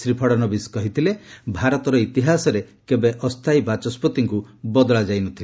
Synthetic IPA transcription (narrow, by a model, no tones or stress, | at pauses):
sɾipʰɔɽɔnɔbiskɔɦit̪ʰilebʱaɾɔt̪ɔɾɔit̪iɦasɔɾekebeʔɔst̪ʰajbat͡ʃɔspɔt̪iŋkubɔd̪ɔɭad͡ʒajnut̪ʰile